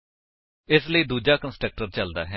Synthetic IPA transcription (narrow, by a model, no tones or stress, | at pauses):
ɪsləiːd̪uːd͡ʒaːkənsʈɾək̚ʈəɾt͡ʃəld̪a̰ːɦɛ